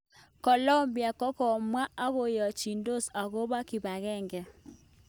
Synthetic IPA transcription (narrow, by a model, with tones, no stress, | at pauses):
kɔ˨lɔ˦mbi˨a˨kɔ˦kɔ˨mwa˦a˦ɣo˨jɔ˨t͡ʃi˨ndo˦sa˨ɣo˦ba˦kɪ˨ba˨ɣɛ˦˨ŋɡɛ˨